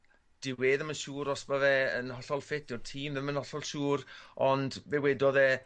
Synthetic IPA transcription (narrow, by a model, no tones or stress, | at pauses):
d̥ɪweːðəmənʃuːɾɔsbaðɛənhɔɬɔlˠfɪtd̥ɪrtʰiːmðəmənhɔɬɔlˠʃuːɾɔndvɛwɛdɔðɛ